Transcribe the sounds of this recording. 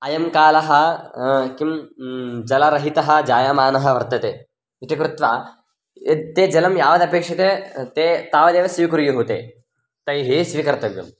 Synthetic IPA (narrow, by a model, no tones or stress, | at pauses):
ɐjɐmkaːlɐɦɐ | kim | d͡ʒɐlɐɾɐɦit̪ɐɦɐ̆d͡ʒaːjaːmaːnɐɦɐ̆ʋɐɾt̪ɐt̪eː | it̪ikɾut̪ʋaː | t̪eːd͡ʒɐlɐmjaːʋɐd̪ɐpeːkʂɐt̪eːt̪eːt̪aːʋɐd̪eːʋɐsʋikɾjuɦut̪ḛː | t̪ɐjɦisʋiːkɐɾt̪ɐʋjɐ̰m